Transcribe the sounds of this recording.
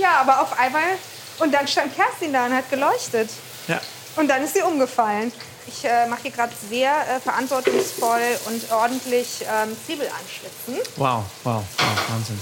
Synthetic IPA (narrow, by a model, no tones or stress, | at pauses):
jaːʔaːbɐaʊfʔaɪnmaːl | ʔʊnt̚d̥anʃtant̚kʰɛɐstindaːʊnthat̚ɡ̥əlɔʏçtət | ja̰ | ʔʊnt̚d̥anɪstmiːɐʔʊmɡəfaln | ʔɪçʔɛːmaχhiːɐɡʁaːdəzeːɐʔɛːfɛɐʔantv̥ɔɐtʊŋsfɔlʔʊntʔɔɐdn̩tʰlɪçʔɛːmt͡sv̥iːbl̩ʔa̰nʃv̥ɪt͡sn̩wa̰ʊwa̰ʊwa̰ʊvaːnzɪn